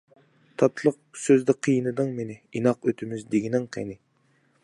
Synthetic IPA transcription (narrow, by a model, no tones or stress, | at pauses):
t̪ʰɑt̪ʰlˠəq̚søzd̪ɪqʰijinɨd̪ɨŋmenɪinɑqøt̪ʰymyzd̪eɡʲinɪŋqʰḛnɪ